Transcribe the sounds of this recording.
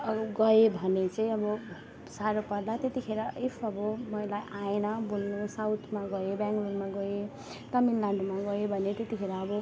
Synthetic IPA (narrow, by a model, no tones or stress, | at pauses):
ɡʌebʱʌnet͡sʌĩʌbʌ | saɾopʌrlat̪et̪ikʰeɾʌefʰʌbʌmʌjlajʔaenʌbolnusawt̪ʰmaɡʌebjaŋɡluɡmaɡʌe | t̪ʌminlaɳɖomaɡʌebʱʌnet̪et̪ikʰeɾʌːbʌ